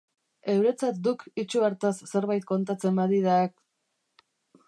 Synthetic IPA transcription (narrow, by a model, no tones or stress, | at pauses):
e̞wɾe̞t͡sat̪̚d̪ukit͡ʃuaɾt̪asːe̞ɾβajt̪̚ko̞nt̪at͡se̞mbaðiðak̚